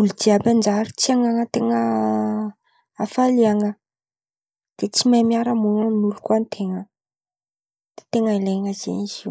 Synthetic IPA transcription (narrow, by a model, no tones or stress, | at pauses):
uludiaband͡ʒaɾit͡siaŋaŋət̪eŋə | afaliaŋə | d̪̥et͡simajmiaɾəmuŋanulu̥kant̪ʰeŋə | d̪̥e̥t̪eŋəileŋəzḛiziw